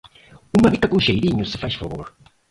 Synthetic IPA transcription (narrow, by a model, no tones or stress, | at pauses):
umɐβit̪ɐkũʃejɾiɲʊsɪ̥fajʃfɐ̰βo̰ɾ